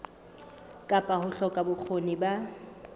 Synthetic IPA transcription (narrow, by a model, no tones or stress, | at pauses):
kʼapʼahʊɬɔkʼabʊk͡xʰoniba